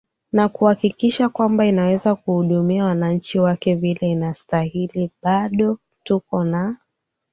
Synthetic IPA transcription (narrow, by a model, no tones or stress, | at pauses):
nakuhakikiʃakwambainawɛzakuhuɗumiawanaɲ̩t͡ʃiwakɛvilɛinastahiliɓaɗɔ | tukɔna